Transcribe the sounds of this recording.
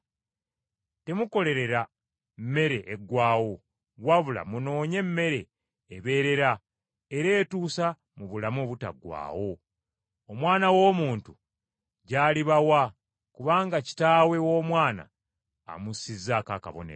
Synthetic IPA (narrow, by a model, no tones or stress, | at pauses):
te̞muko̞le̞ɾe̞ɾa | mːe̞ɾe̞ʔeɡwaːwo̞ | waβula̰muno̞ːɲe̞mːe̞ɾe̞ː | βe̞ːɾe̞ɾa | eɾe̞ːtuːsa | muβulamoːβuta̰ɡwa̰ːwo̞ | omwaːnawo̞ːmuːntu | ɟaːliβawa | kuβaːŋɡaci̥taːwe̞wo̞ːmwaːna̰ː | musizakaka̰βo̞̰nḛ